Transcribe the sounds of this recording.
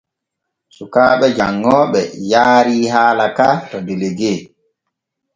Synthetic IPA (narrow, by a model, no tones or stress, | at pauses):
sukaːɓɛd͡ʒaŋːɔːɓɛjaːɾiːɦaːlakaːtɔdeleɡeː